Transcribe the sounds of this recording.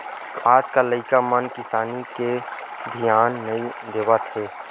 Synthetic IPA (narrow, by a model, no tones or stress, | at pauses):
aːd͡ʒkaləɪkamənkɪsaːnike | b̪ʱijaːnːəĩd̪eːʋat̪ɦeː